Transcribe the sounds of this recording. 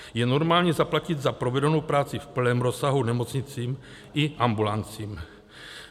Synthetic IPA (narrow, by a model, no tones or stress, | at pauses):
jɛno̞ɾmaːlɲizaplacɪd̪zapɾo̞vɛdonowpɾaːt͡sɪfpl̩nɛːmɾo̞sːaɦunɛmo̞t͡sɲɪt͡siːm | ɪʔambulant͡siːm